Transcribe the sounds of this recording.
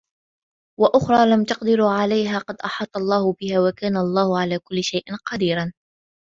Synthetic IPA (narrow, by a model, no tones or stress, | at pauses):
waʔʊxɾˤɑːlamt̪ɑqd̪ɪɾuːʕalajɦaːqɑd̪ʔɑħɑːt̪ˤːɑlˤːɑːhʊbɪhaːwakaːnaʔɑlˤːɑːhʊʕalaːkʊlːɪʃajʔɪnqɑd̪iːɾan